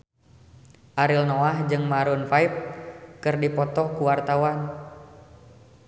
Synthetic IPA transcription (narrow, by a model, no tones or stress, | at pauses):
ʔaɾilnɔahd͡ʒɨŋmaɾunfaip̚kɨrdipɔt̪ɔkuwart̪awan